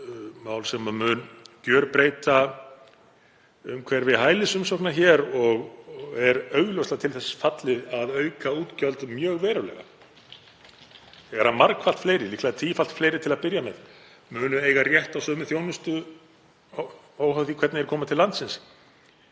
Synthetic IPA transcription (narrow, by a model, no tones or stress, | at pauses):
maːwlsɛmamʏːncœːɾpɾeːjt̪a | ʏmkʰv̥ɛɾvɪðɦaːjlɪsʏmsɔknaçɛːɾɔɣɛɾœːɥɣlowst̪at̪ʰɪlθɛsfat̪lɪðaðœːɥkauːt̪cœlt̪mjœːɣvɛːɾʏlɛ̰ɣa̰ | θɛɣaɾhanmaɾkfal̥t̪fleːjɾɪlihklaðɪt̪ʰiːfalt̪fleːjɾɪt̪ʰɪlaðpɪɾjamɛð | mʏːnʏeːjɣarjɛht̪awsœːmʏθjoːwnʏst̪ʏ | oːwɦawθikʰvɛt̪nɪɛɾkʰɔːmat̪ʰɪlːant̪sɪns